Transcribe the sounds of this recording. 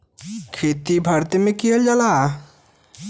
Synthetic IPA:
kʰeːt̪ibʱaɾt̪imẽkiɦəld͡ʒala

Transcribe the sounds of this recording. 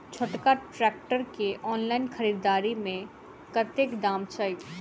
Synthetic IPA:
t͡ʃʰʊʈkaʈɾɛːk̚ʈəɾkeʔɔːnlaːɪnxʰəɾiːɾd̪aːɾimẽ | kət̪ekd̪aːmt͡ʃəɪk

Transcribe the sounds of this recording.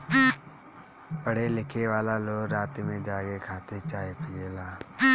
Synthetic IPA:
pəɽ̤elɪkʰeʋaːlaloːɡɾaːt̪mẽd͡ʒaːɡekʰaːt̪et͡ʃaːepɪjeːlaː

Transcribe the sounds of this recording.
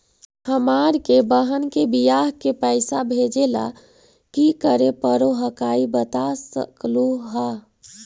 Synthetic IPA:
həmaɾkebəɦənkebijaɦkepəɪsabʱed͡ʒela̰ | kikəɾepəɾoɦəkaibət̪asə̰kluɦa

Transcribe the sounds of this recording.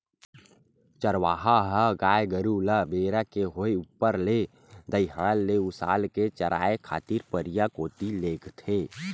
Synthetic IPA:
t͡ʃəɾʋaːɦaɦəɡaːjɡəɾuləbeːɾakeɦoeupːəɾle | d̪əjɦəlːeʊsa̰ːlket͡ʃəɾʔa̰ːekʰa̰ːt̪iɾpəɾijakoːt̪ileːɡt̪ʰeː

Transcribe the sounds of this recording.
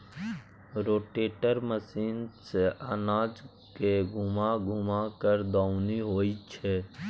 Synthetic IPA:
ɾoːʈeːʈəɾməsiːnseʔanaːd͡ʒ | keɡʱʊmaɡʱʊmakəɾd̪aːʊniɦoːit͡ʃʰɛ

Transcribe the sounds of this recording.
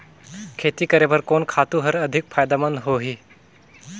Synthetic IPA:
kʰeːt̪ikəɾebəɾkoːnkʰaːt̪ũɦəɾɐd̪ʱɪk̚fʰaːjd̪amə̃nd̪ɦoːɦiː

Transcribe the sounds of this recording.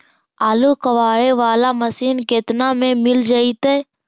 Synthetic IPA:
aːlukəʋaːɽeʋaːlamɐsiːnket̪namẽmɪld͡ʒaːit̪eː

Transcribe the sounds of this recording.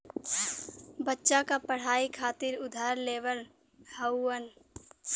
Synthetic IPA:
bətːʃakapəɽ̤aːikʰaːt̪ɪɾʊd̪ʱaːɾleːʋəl | həwːən

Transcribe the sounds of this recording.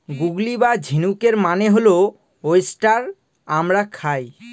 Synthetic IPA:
ɡuɡlibad͡ʑʱinukeɾmaneɦolo | ojsʈaɾ | amɾakʰaj

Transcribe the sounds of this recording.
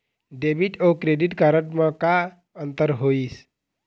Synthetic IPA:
ɖebiʈokɾeɖiʈkaɾəʈmãka | ənt̪əɾɦois

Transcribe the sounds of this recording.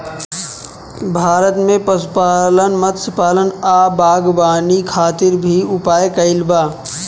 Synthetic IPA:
bʱaːɾət̪mẽpəspaːlənmət̪səpaːlənaːbaːɡbaːnikʰaːt̪ɪɾbʱiʊpaːekəɪlbaː

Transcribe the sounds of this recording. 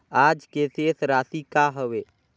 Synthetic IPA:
aːd͡ʒkeseːsɾaːsikaɦəʋeː

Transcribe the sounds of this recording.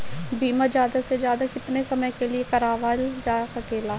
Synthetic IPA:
biːmad͡ʒjaːd̪ased͡ʒjaːd̪aːkɪt̪nesəməjkelɪekəɾaːʋaːld͡ʒaːsəkeːlaː

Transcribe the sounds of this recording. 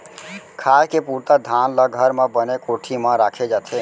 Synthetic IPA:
kʰaːkepuːɾt̪ad̪ʱaːnlaɡʱəɾmẽbənekoːʈʰimãɾaːkʰed͡ʒaːt̪ʰe

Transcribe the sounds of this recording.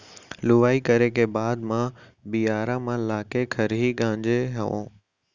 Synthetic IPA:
lʊʋaːikɐɾekʰeːbaːd̪mã | bijaːɾãmãlaːkekʰɐɾɦiɠãːɲd͡ʑeɦɐʋõ̰ː

